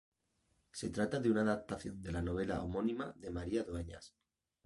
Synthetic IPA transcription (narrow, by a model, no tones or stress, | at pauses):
se̞t̪ɾat̪aðeunaːðap̚t̪aθjo̞nd̪e̞lano̞β̞e̞la̰omo̞nĩma̰ðe̞maɾiaðoeɲa̰s